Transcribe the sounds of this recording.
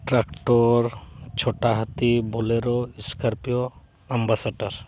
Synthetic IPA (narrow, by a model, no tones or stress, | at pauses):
ʈɾakʈoɾt͡ʃʰoʈaɦat̪iboleɾoiskəɾpijo | ɐmbasaɖəɾ